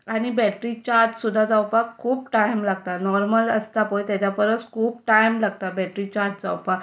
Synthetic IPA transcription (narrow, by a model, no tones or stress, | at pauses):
aɽ̃ibɛʈɾit͡ɕaɾtsud̪ʱːad͡zawpakʰːuːpʈajmlaɡ̚t̪anɔɾmələst̪apəjt̪jat͡ɕapəɾət͡skʰuːp̚ʈajmlaɡt̪abɛʈɾit͡ɕaɾt̪̚d͡za̰wpak